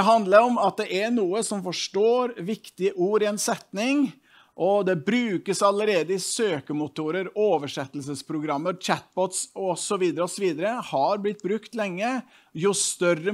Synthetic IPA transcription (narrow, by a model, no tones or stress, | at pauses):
ɛɦɑnd̪ləɾɔmɑt̪̚d̪ɛʔæɾnuːəsɔmfɔʂʈoːɾʋɪkt̪ɪəʔuːɾɪɛnsɛt̪nɪŋ | ʔɔd̪ɛbɾʉːkəsɑləɾeːd̪əɪsøːkəmʊt̪uːɾəɾoːʋəʂɛt̪ːəlsəspʰɾʊɡɾɑmːəɾt͡ʃæt̪̚bɔt̪sɔsɔʋiːd̪əɾəɔsɔʋiːd̪əɾəhɑɾblɪt̪̚ːbɾʉkt̪lɛŋːə | jʊt̪œrə